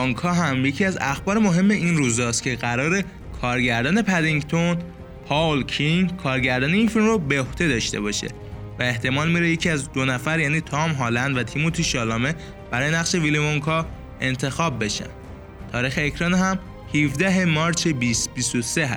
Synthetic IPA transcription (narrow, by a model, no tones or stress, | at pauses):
ɔŋkʰɒːɦæmje̞cʰiːæzæxbɒːɾemo̞ɦe̞mːe̞ʔinɾuːzɒːst̪cʰe̞ɣæɾɒːɾe̞ | kʰɒːɾɟæɾd̪ɒːne̞pʰæd̪iŋɡt̪ʰon | pʰɒlcʰinkʰɒːɾɟæɾd̪ɒːneiːnfilmɾobeoht̪ʰe̞d̪ɒːʃt̪e̞̰bɒʃe̞̰ | væe̞ht̪e̞mɒːlmiːɾejecʰiæzd̪onæfæɾjæːniːt̪ʰɒːmɦɒːlænd̪væt̪ʰimot̪ʰiʃɒːlɒːme̞ | b̥æɾɒːje̞næɣʃe̞vilimoŋkʰɒː | e̞nt̪ʰe̞xɒːbːe̞ʃæ̰nd̪̥ | t̪ʰɒːɾiːxeːcʰɾɒːnɦæm | hivd̪æɦe̞mɒːɾt͡ʃʰebisbist̪ose̞ɦæ̰s